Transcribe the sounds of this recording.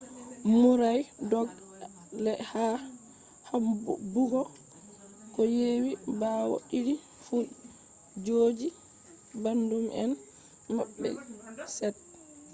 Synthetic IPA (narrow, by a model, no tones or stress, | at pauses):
muɾajdɔɡ | lɛha | hambuɡɔ | kɔjeːwibawɔ̰ɗiɾi | fu | d͡ʒoːd͡ʒi | bandumʔɛ̰n | maɓːɛ̰sɛt̚